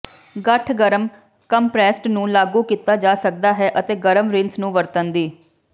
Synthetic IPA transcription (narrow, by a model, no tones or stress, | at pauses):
ɡəʈʰɡəɾəm | kəmpɾɛːsʈnũːlaːɡuːkiːt̪aːd͡ʒaːsək̚d̪aːɦɛːʔət̪eːɡəɾəmɾɪ̃nsnũːʋəɾt̪ənd̪iː